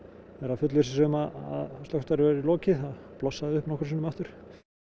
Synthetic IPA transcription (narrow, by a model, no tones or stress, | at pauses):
ɛɾafʏt̪lisɪsʏʏmaa̰ðst̪œht̪aɾɪvɛɾilɔːcɪθaðplɔsːaðɪʏhpnɔhkɾsinʏmaht̪ʏɾ̥